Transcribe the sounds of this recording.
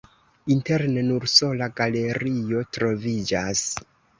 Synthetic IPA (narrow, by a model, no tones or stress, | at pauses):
inte̞ɾnenuɾso̞laɡale̞ɾio̞tɾo̞vid͡ʒas